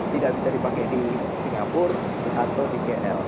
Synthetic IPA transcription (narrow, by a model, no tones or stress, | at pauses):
t̪idaʔbisadipakɛjdi | siŋɡapʊr | diɦat̪odikeɛʔɛl